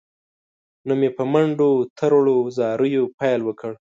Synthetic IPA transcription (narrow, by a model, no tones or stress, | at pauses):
namepəmaɳɖot̪ʰəɾɽozɑɾəjopɑjlwəkʰəɽ